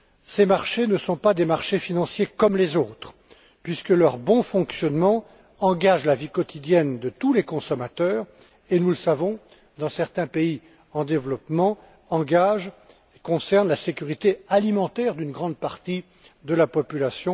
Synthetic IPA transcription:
semaʁʃenəsɔ̃pad̪emaʁʃefinɑ̃sjekɔmlezoːt̪χ | pɥiskəlœʁbɔ̃fɔ̃ksjɔnmɑ̃ | ɑ̃ɡaʒlavikɔt̪id̪jɛnd̪ət̪ulekɔ̃sɔmat̪œːʁ | enuləsavɔ̃ | d̪ɑ̃sɛʁt̪ɛ̃pei | ɑ̃d̪evlɔpmɑ̃ | ɑ̃ɡaʒ | ekɔ̃sɛʁnlasekʲyʁit̪ealimɑ̃t̪ɛʁd̪ynɡʁɑ̃d̪̚paʁt̪i | d̪əlapɔpylasjɔ̃

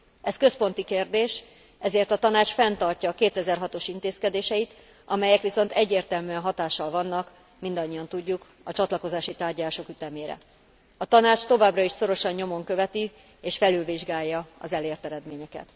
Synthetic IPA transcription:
ɛskøspo̞nt̪ikeːrd̪eːʃ | ɛzeːrt̪ɒt̪ɒnaːt͡ʃfɛnt̪ɒrcɒkeːt̪ɛzɛrɦɒt̪o̞ʃint̪eːskɛd̪eːʃɛit̪ | ʔɒmɛjɛkʋiso̞nt̪ɛɟːeːrt̪ɛlmyɛnɦɒt̪aːʃːɒlvɒnːɒk | mind̪ɒɲːiɒnt̪uɟːuk | ɒt͡ʃɒt̪lɒko̞zaːʃit̪aːrɟɒlaːʃo̞kyt̪ɛmeːɾɛ̰ | ɒt̪ɒnaːt͡ʃt̪o̞vaːbrɒiʃso̞ɾo̞ʃɒɲːo̞mo̞ŋkø̞vɛt̪i | eːʃfɛlylviʒɡaːjːɒɒ̰zɛleːrt̪ɛɾɛd̪meːɲɛkɛ̰t̪

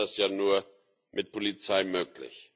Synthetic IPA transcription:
asjaːnuːɐ | mʔɪt̚pʰolit͡saɪmøːklɪ̰ç

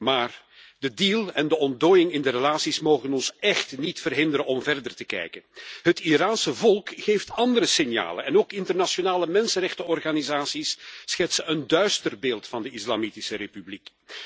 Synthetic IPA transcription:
maːr | dədiːlˠɛndəɔndoːjɪŋɪndəɾəlaːtsismoːɣənɔnsɛxtnitfərɦɪndəɾənɔmvɛrdərtəkɛ̰jkənɦətiɾaːnsəvɔlˠkxeːftɑndəɾəsɪnja̰ːlə̰nɛnoːkɪntərnasonaːləmɛnsənrɛxtəɔrɣaːnizaːsisːxɛtsəəndœɥstərbeːlˠtfɑndəɪslamitɪsəɾepyblik

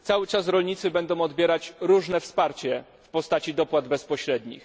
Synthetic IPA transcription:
t̪sawɘt͡ʂasɾɔlɲit̪sɘbɛnd̪ɔ̃w̃ɔd̪bʲjɛɾat͡ɕɾuʐnɛfspaɾt͡ɕɛ | fpɔst̪at͡ɕid̪ɔpwad̪bɛspɔɕɾɛd̪ɲḭx

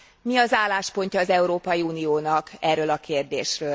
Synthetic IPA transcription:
miɒzaːlːaːʃpo̞ɲcɒːzɛuɾoːpɒjiuːnijoːnɒkɛrːøːlɒkʰeːrd̪ḛːʃrøːl

